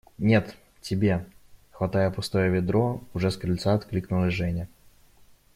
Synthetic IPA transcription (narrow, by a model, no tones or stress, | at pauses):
nʲe̞t̪ | tʲɪbʲexvɐt̪ajəpʊst̪o̞jəvʲɪd̪ɾoʊʐɛskɾʲɪlʲt̪saɐt̪klʲiknʊlˠɪʐɛnʲɪ